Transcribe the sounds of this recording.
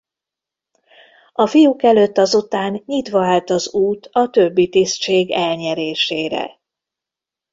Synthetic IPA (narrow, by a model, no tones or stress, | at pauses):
ɒfijukɛløt̪ːɒzut̪aːnɲit̪ʋɒaːlt̪ɒzuːt̪ʰɒt̪øbːit̪ist͡ʃeːɡɛlɲɛɾeːʃeːɾɛ̰